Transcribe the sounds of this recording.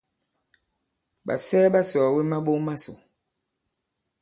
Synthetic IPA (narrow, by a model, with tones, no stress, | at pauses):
ɓa̰˨sɛː˦ɓa˦sɔː˨we˦ma˦ɓo˦ŋma˦so˨